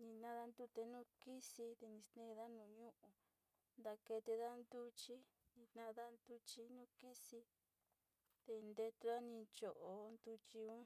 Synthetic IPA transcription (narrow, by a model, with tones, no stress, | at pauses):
nĩ˧nã˧ða˦nd̪u˦t̪e˧nũ˦ki˦si˧t̪e˧nĩ˧st̪nẽ˦˧ða˦nũː˧˨ɲũ˦ʔũ˧ | nd̪a˧ke˧t̪e˧ða˦˧nd̪u˦t͡ʃi˦ | nĩ˧t̪nã˧ða˦˧nd̪u˧t͡ʃi˧nũ˦ki˦si˧ | t̪e˧nd̪e˧t̪u˧ða˦nĩ˧t͡ʃo˧˨ʔo˧nd̪u˧t͡ʃi˧ũ˦